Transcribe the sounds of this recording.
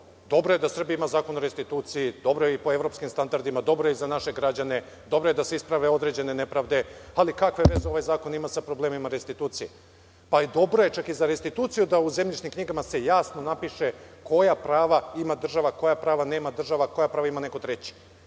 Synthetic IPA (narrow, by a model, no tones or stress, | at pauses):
d̪o̞bɾojed̪asr̩biimazaːkonoɾest̪it̪uːt̪sijid̪o̞bɾojeipo̞e̞vɾo̞pskimst̪and̪aɾd̪imad̪o̞bɾojeizanaʃe̞ɡɾad͡ʑane̞ | d̪o̞bɾojed̪ase̞ispɾaʋe̞o̞d̪ɾed͡ʑe̞ne̞ne̞pɾaːʋd̪e̞alikakʋeʋe̞zeo̞ʋajzaːko̞nimasapɾo̞bleːmimaɾest̪it̪uːt̪sije | paid̪o̞bɾo̞je̞t͡ʃakizaɾest̪it̪uːt̪sijud̪auzemʎʲit͡ʃnimkɲiɡamase̞jaːsno̞napiʃe̞ko̞japɾaːʋaimad̪r̩ʒaʋako̞japɾaːʋane̞ːmad̪r̩ʒaʋako̞japɾaːʋaimane̞kot̪ɾet͡ɕi̥